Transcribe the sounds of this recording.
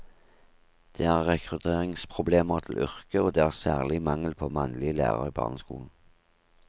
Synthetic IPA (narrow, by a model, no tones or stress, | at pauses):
d̪̥eːæːʁʁɛkʰʁʉt̪ʰeːʁɪŋspʰʁʊbleːməʁt̪ʰɪl̩ʔʏ̰ʁkəoːd̪eːæːʁsæ̰ːʁlɪmɑŋəlpʰoːmɑnlɪəlæ̰ːʁə̰ʁiːbɑ̰ːʁnəskṵːln̩